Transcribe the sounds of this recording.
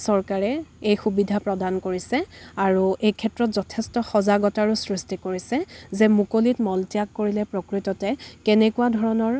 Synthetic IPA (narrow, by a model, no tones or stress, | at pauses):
sɔɹkaɹɛejxubidʱapɹɔdankoɹisɛaɹuʔejkʰɛtɹɔtzɔtʰɛstɔxɔzaɡɔtaɹusɹistikoɹisɛzɛmukolitmɔltijakːoɹilɛpɹokɹitɔtɛkɛnɛkuadʱɔɹɔnɔɹ